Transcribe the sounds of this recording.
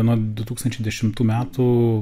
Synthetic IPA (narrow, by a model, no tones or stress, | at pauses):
ɛnoːd̪ʊt̪uːkst̪ɐnʲt͡ʃʲɛɪd̪ʲɛʃʲɪmt̪uːmʲæːt̪u